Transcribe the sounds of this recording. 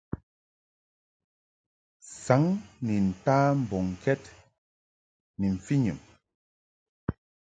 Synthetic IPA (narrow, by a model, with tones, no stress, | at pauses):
sa˨˦ŋni˨n̩˨taː˦m̩˨bɔ˨ŋ˨kɛ˦t | ni˨ɱ̩˨fi˦ɲɨ˨m